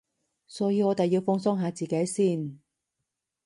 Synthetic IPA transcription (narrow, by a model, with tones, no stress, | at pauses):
sɔː˨˥jiː˨˧ŋɔː˨˧t̪e˨jːi˧wfʊ˥ŋsʊ˥ŋɦaː˨˧t͡siː˨ke˨˥jsiː˥˩n